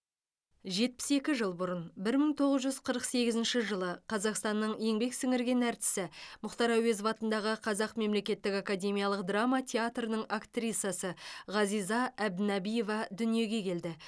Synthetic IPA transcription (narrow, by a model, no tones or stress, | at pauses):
ʒe̞t̪̚pɪ̥se̞kʲɪʒəlˠbʊɾənbɪɾməŋt̪ʰo̞ʁəzʒʏzqʰəɾəqse̞ɡʲɪzɪnʃɪʒəlˠəqʰɑzɑqst̪ɑnːəɴje̞ŋbe̞ksɪŋɪɾɡʲe̞næɾt̪ɪ̥sɪmʊχt̪ɑɾɑwe̞zvɑt̪ənd̪ɑʁəqʰɑzɑqme̞mle̞kʲe̞t̪ːɪkakad̪ʲe̞mijɑlˠəq̚d̪rɑmɑt̪ʲʰe̞at̪rənəɴakt̪rʲit̪sjasəʁɑzijzɑæb̚d̪ɪnɑbijo̞vɑd̪ʏnije̞ɡʲe̞kʲʰe̞ld̪ɪ